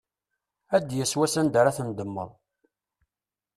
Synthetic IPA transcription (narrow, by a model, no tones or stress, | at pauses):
æd̪jəswæsænd̪aɾaθənd̪əmːə̰ðˤ